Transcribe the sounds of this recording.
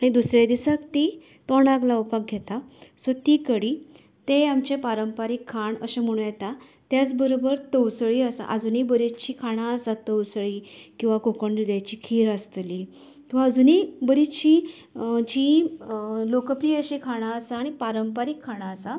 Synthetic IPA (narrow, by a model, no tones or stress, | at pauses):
aɽ̃id̪usɾed̪isakt̪i | t̪ɔɳ̃aklawpak̚ɡʱɛt̪asɔt̪iːkəɽiː | t̪eamt͡ɕepaɾəmpaɾikʰːaɳəɕem̤əɽ̃ũjɛt̪a | t̪jat͡sbəɾobəɾt̪əwsəɭiːəsa̰ʔəd͡zunibəɾit̪t͡ɕiːkʰaɽ̃aəsat̪ːəwsəɭiːkĩw̃ʋakokəɳd̪ud̪jajt͡ɕiːkʰiːɾəst̪li | k̪ĩʋ̤aːd͡zunibəɾit̪t͡ɕi | d͡ʑi | lokəpɾijeəɕikʰaɽ̃aəsaːɽ̃ipaɾəmpaɾikʰːaɽ̃aːsa